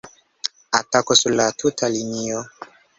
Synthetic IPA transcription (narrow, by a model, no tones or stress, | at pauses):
atakosuɾlatʰutʰalinio